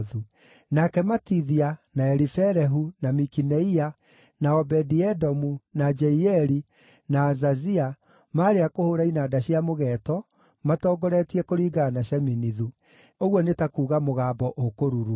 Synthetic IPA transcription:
ðu | nakɛmatiðianaɛɾifɛɾɛɦunamikinɛia | naɔbɛdiɛdɔmunad͡ʒɛiɛɾi | naːzazia | maːɾeakohoɾainadaɕiamoɣɛːtɔ | matɔːɡɔɾɛtiɛkoɾiɡaːnaɕɛminiðu | oɣwɔnetakuːɣamoɣaːbɔʔokoɾuɾu

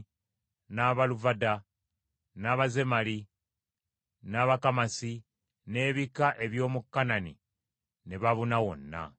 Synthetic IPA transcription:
naβaluvada | naːβaze̞mali | naːβakamasi | ne̞ːβikaʔe̞βjo̞ːmukːananḭ | neβaβunawo̞nːa̰

